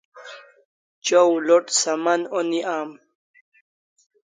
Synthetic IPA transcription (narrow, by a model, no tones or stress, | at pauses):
t͡ɕowloʈsamanoniʔaːm